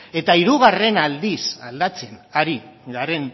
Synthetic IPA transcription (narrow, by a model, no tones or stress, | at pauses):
e̞t̪aiɾuɣare̞nald̪isa̰ld̪at͡senaɾiɡeaɾe̞n